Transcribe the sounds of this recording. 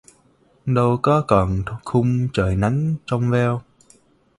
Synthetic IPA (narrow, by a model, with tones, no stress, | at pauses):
ɗə˧wkɔ˨˦kɔ˨˩nxʰʊ˧ŋ͡mt͡ɕəː˧˩jna˨˦jŋt͡ɕɔ˧wŋ͡mvɛ˧w